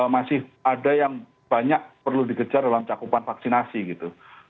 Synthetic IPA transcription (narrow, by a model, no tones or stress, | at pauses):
masɪhʔadajaŋ | b̥aɲak̚pərludikəd͡ʒardalamt͡ʃakupanfaksinasiɡit̪u